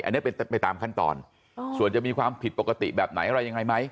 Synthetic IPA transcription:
ʔa˧nːi˦˥˩pe˧npa˧jt̪aː˧mkʰa˥˩nt̪ɔ̰ː˧n | su˨˩ənt͡ɕa˨˩miː˧kʰwaː˧mpʰi˨˩t̪̚po˨˩ka˧t̪ḭ˨˩bɛː˨˩p̚na̰˨˩˦jʔɾa˧jːa˧ŋa˧jma˦˥j

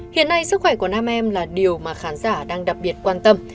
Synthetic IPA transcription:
hḭ˧˨ənːa˧jsɨ˦˥k̚xwɛ˧˩ku˧˩ənaː˧mʔɛ˧mlaː˨˩ɗi˨˩əwmaː˨˩xaː˨˦nzaː˧˩ɗaː˧ŋɗa˨˩p̚ɓi˨˩ət̚kwaː˧nt̪ə˧m

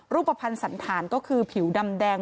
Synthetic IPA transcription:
ɾuː˥˩pːa˧pʰa˧nsa˩˦nt̪ʰaː˩˦nkɔː˥˩kʰɯː˧pʰi˨˩˦wda˧mdɛː˧ŋ

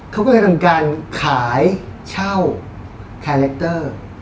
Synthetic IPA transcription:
kʰa˦˥wkɔ˥˩a˧˩a˧mkaː˧nkʰaː˩˦jt͡ɕʰa˥˩w | kʰɛː˧lɛ˦˥k̚t̪ɤː˥˩

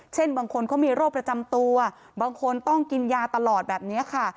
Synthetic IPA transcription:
t͡ɕʰe˥˩nbaː˧ŋkʰo˧nkʰɔː˦˥miː˧ɾoː˥˩pːɾa˧t͡ɕa˧mt̪u˧ɐ | baː˧ŋkʰo˧nt̪ɔ˥˩ŋki˧njaː˧t̪a˧lɔː˨˩t̪̚bɛː˨˩p̚ni˦˥ɐkʰa˥˩

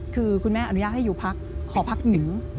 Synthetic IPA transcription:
kʰɯː˧kʰu˧nmɛː˥˩a˧nu˦jaː˥˩t̚ha˥˩juː˨˩pʰa˦˥k̚ʰːɔː˩˦pʰa˦˥k̚ji˨˩˦ŋ

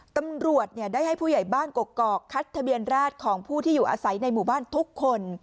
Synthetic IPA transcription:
t̪a˧mɾu˨˩ət̪̚ni˥˩ɐdaː˥˩jɦa˥˩jpʰuː˥˩ja˨˩jbaː˥˩nko˨˩kːɔː˨˩kʰːa˦˥t̪ʰːa˧bi˧ənɾaː˥˩t̪̚kʰɔː˩˦ŋpʰuː˥˩t̪ʰiː˥˩juː˨˩ʔa̰ː˧sa˩˦jna˧jmuː˨˩baː˥˩nt̪ʰu˦˥kʰːo˧n

